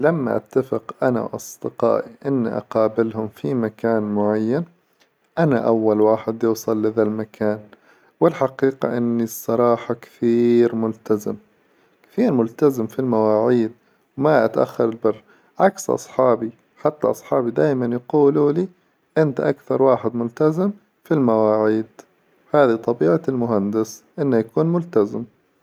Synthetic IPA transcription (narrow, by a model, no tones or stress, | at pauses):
lamːa̰ʔa̰t̪ːafɪqʔana̰wʔɑ̰sˤd̪ɪqɑ̰ːʔiʔɪnːiʔɑ̰qɑːbɪlhʊmfimakaːnmʊʕajːan | ʔana̰ʔawːalwaːħɪd̪juːsˤɑlːɪðalmakʰaːn | wɪlħaqiːqɑ̰ʔɪnːisˤːɑɾˤɑːħɑkḁθiːɾmʊlt̪azɪm | kḁθiːɾmʊlt̪azɪmfilmawaːʕiːd̪̚ | wmaʔat̪ʔa̰xːɑɾˤɪlbɪrː | ʕaksʔɑ̰sˤħɑːbi | ħat̪ːa̰ʔɑsˤħɑːbid̪aːjmanjquːluli | ʔɪnt̪aʔakθɑɾˤwaːħɪd̪mʊlt̪azɪm | filmawaːʕiːd̪̥ | haːðit̪ˤɑbiːʕalmʊɦand̪ɪsʔɪnːajakuːnmʊlt̪azɪm